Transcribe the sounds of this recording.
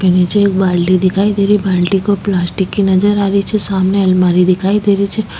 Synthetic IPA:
penid͡ʒekbaɽlid̪ikʰaid̪eɾibaɽlikoplasʈikːinəd͡ʒəɾaɾit͡ʃʰesamneəlmaɾid̪ikʰaid̪eɾit͡ʃʰe

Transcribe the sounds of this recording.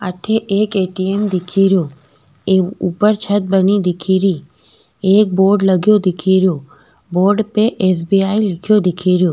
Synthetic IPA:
at̪ʰeʔeːkeʈiemd̪ɪkʰiɾjo | eupəɾt͡ʃʰət̪̚bənid̪ɪkʰiɾi | eːk̚boːɾɖləɡjod̪ɪkʰiɾjo | boːɾɖpeʔes̬biailɪkʰjod̪ɪkʰiɾjoː

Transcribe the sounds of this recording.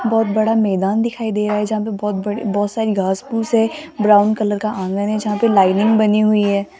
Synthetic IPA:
bɔːt̪̚bɐɽamɛːd̪aːnd̪ɪkʰaːid̪eːɾaːɦɛd͡ʒɐɦãp̬ebɔːt̪̚bɐɽibɔːt̪saːɾiɡʱaːspuːsɦɛbɾaːʊnkɐləɾkaʔãːŋɡənɦɛd͡ʒɐɦãpelaːɪnɪ̃ŋɡbɐniɦʊiɦɛː

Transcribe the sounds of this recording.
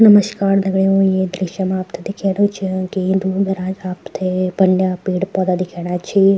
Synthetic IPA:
nɐməʃkaːɾnɐɡɭeũjed̪ɾɪʃjəmaːpt̪ʰed̪ɪkʰeːɽũt͡ʃʰikend̪uɡ̪ɐɾaːd͡ʒaːpt̪ʰebɐɳɖjaːpiːɽpɔːd̪ad̪ɪkʰeːɽ̃at͡ʃʰi

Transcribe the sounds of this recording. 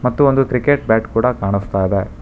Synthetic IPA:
mɐt̪ːuond̪ukɾikeʈ̚baːʈkuːɽɐkaːɳ̃ust̪aːjid̪e

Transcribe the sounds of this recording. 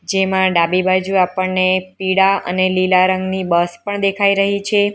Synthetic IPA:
d͡ʒemãɖabibad͡ʒuapəɳːepiɽaə̰nelilaɾəŋɡnibəspəɳd̪ekʰaiɾəɦit͡ʃʰe

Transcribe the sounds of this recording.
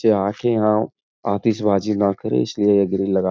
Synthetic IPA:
eaːkʰejɐɦã | aːt̪isbʱaːd͡ʒinakɐɾḛ̃ɪsliejɐɡɾilɐɡa

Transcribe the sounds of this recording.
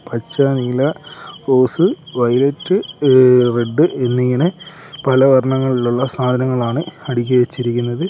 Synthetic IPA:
pɐt͡ɕːɐniːlɐko̞ːsɨʋɐjletːɨ | reɖːɨʔe̞nːiŋːine | pɐlɐʋɐɾɐɳɐŋːɐɭiluɭːɐsaːd̪ʱɐnɐŋːɐɭaːɳɨɐɽikʲːuʋet͡ɕːiɾik̬ʲːunːɐðɨ

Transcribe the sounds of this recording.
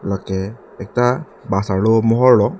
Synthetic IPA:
lɔkɛ | ɛk̚ta | basaɹlomɔɦɔɹlɔ

